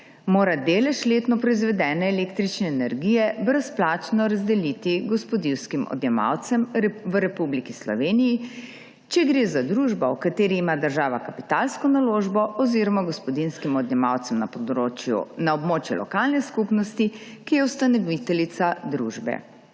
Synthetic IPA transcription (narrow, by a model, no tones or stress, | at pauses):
moːɾad̪eːlɛʃleːt̪nɔpɾɔizʋɛd̪ɛːnɛːleːkt̪ɾit͡ʃnɛːnɛɾɡijɛbɾəsplaːt͡ʃnɔɾazd̪ɛlit̪iɡɔspɔd̪iwskimɔ̰d̪jɛma̰wt̪sɛmʋəɾɛpublikislɔ̰ʋeːniji | t͡ʃɛɡɾeːzad̪ɾuːʒbɔwkat̪eːɾiːmad̪əɾʒaːʋakapi̥t̪alskɔnaloːʒbɔʔɔziːɾɔmaɡɔspɔd̪inskimɔd̪njɛma̰wt̪sɛmnapɔd̪ɾot͡ʃjṵnaɔbmoːt͡ʃjṵlɔ̰kalnɛskupnɔst̪ikijɛwst̪anɔʋit̪ɛlit̪sad̪ɾṵːʒbɛ̰